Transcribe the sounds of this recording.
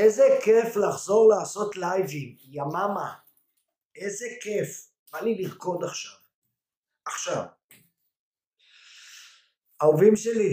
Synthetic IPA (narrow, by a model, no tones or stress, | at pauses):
ejzekeflaχzo̞ʁlaaso̞tlajvim | jamama | ʔezeke̞f | b̥aliliʁko̞d̪aχʃav | aχʃav | aovimʃeli